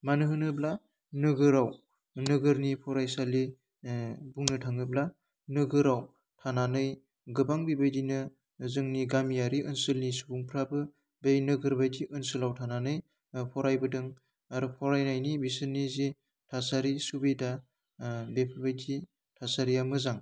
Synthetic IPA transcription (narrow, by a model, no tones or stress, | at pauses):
manɯɦɯnɯbla | nɯɡɯɾaw | nɯɡɯɾnipʰɔɾajsali | buŋnɯtʰaŋɯbla | nɯɡɯɾaw | tʰananɯj | ɡɯbaŋbibajdinɯ | zɯŋniɡamijaɾiʔɯnsɯlnisubuŋpʰɾabɯ | bejnɯɡɯɾbajdiʔɯnsɯlawtʰananɯj | pʰɔɾajbɯdɯŋ | aɾɯpʰɔɾajnajnibisɯnːizi | tʰasaɾisubeda | bepʰɯbajdʰi | tʰasaɾijamɯzaŋ